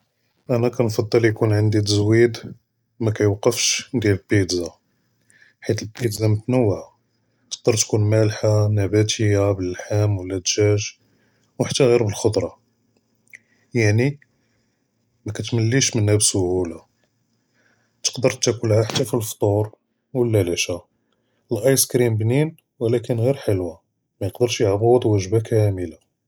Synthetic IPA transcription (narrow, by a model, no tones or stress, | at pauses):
ʔænækænfɑd̪ˤːəljkunʕənd̪it̪əzwid̪ | mækæjwqːəfʃd̪jæləlbid̪za | ħit̪əlbid̪zamət̪nəwːʕa | t̪ə̥q̚d̪əɾˤt̪kunmælħanæbæt̪ʰəjabəlːħæmwəlːæd̪ʒæʒ | wħat̪ːæɣiɾbəlxod̪ˤɾˤɑ | jaʕni | mækæt̪məlːiʃmənhæbsʊhula | t̪ə̥qd̪əɾt̪ːækəlhaħat̪ːæfilft̪ˤuɾ | wəlːæliʃa | əlʔɑjskɾimbnin | wəlækənɣiɾħəlwa | mæjəqd̪əɾʃjəʕbud̪ˤwæʒbakʰæməla